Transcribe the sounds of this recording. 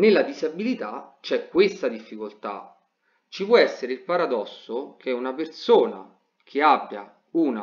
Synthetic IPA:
nelːad̪izabilit̪at͡ʃɛkːwest̪ad̪ifːikolt̪a̰ | t͡ʃipwɔɛsːeɾeilpaɾad̪ɔsːokʰɛunapersoːna̰ | kʰeabːja̰ | una

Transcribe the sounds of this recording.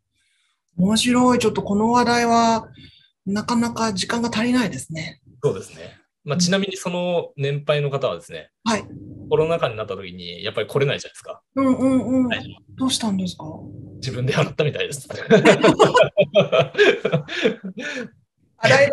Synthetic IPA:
omoɕiɾo̞it͡ɕo̞t̪ːo̞ko̞no̞βad̪aiβa | nakanakad͡ʑikãŋɡat̪aɾʲinaid̪e̞sɨne̞ | so̞ːd̪e̞sɨne̞̰ | mat͡ɕinamʲiɲ̟iso̞no̞nẽ̞mpaino̞kat̪aβa̰d̪e̞sɨne̞̰ | haiko̞ɾo̞nakaɲ̟inat̪ːat̪o̞kʲiɲ̟ḭjapːaɾʲikʰo̞ɾe̞naid͡ʑanḁsɨ̥ka | ɯ̟̃ɴɯ̟̃ɴɯ̟̃ɴd̪̥oːɕi̥t̪ãnd̪e̞sɨ̥kad͡ʑibɯ̃nd̪eaɾat̪ːamʲit̪aid̪esɨ̥ | aɾai

